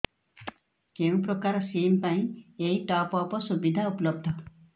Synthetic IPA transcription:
keũpɾɔkaɾɔsimpaĩejʈɔpɔpɔsubid̪ʱaupɔlɔb̚d̪ʱɔ

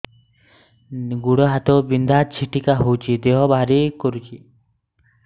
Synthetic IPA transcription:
ɡuɽɔɦat̪ɔbind̪ʱat͡ʃʰiʈikaɦowt͡ʃʰid̪eɦɔbaɦɾikɔɾut͡ʃʰi

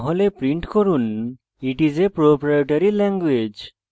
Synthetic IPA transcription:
ɦɔlepɾĩɳʈkɔɾun | iʈizepɾopɾajoʈaɾilɛ̃ŋɡwed͡ʒ

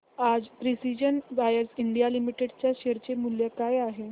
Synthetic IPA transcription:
ad͡zpɾisid͡ʑənʋajəɾsiɳɖijalimiʈeɽt͡ɕjaɕeɾt͡ɕemuljəkajaɦe

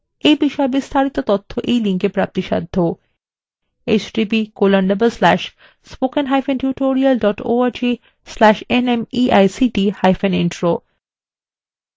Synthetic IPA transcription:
ejbiʃɔebist̪ʰaɾit̪ot̪ot̪ʰːoʔejliŋkepɾap̚t̪iʃa̰d̪ʱːo | et͡ɕɖipikolanɖɐbelslɛʃ | spokenɦajfenʈjuʈoɾialɖɔʈoaɾd͡ʑi | slɛʃenemiʔajsiɖihajfeninʈɾo

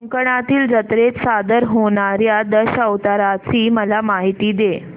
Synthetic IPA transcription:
əŋkəɳ̃at̪iːld͡zət̪ɾet͡ssad̪əɾɦoɳaɾjad̪əɕəʋt̪aɾat͡siːməlamaɦit̪iːd̪e

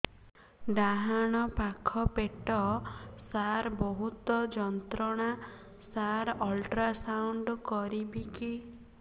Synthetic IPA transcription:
ɖaɦaɽ̃ɔpakʰɔpeʈɔsaɾbɔɦut̪ɔd͡ʒɔnt̪ɾɔɽ̃a | saɾɔlʈɾasawɳɖkɔɾibiki

